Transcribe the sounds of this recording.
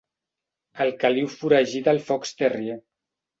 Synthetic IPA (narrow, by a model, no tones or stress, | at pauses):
əlkaliwfuɾaʒiðalfɔkst̪erie